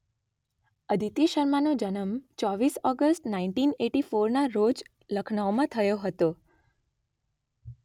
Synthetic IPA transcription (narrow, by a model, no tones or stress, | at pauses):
əd̪ʱit̪iʃəɾmanod͡ʒənəmt͡ʃɔʋisɔɡəsʈnaiɳʈineʈifoɾnaɾod͡ʒ | ləkʰnawmãt̪ʰəjoɦət̪o